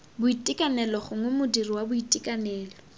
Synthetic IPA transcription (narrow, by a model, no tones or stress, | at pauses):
bʊitʼɪkʼanɛlɔχʊŋwɛmʊdiriwabʊitʼikʼanɛːlɔ